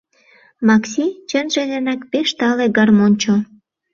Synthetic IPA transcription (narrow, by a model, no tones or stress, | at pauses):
mɑksʲit͡ɕənʒenenɑkpeʃt̪ɑleɡɑrmonʲt͡ɕo